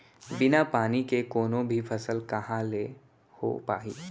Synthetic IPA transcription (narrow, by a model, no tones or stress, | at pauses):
bɪnapaːnikekoːnõbʱifʰɐsəlkɐɦãle | ho̰pa̰ːḭː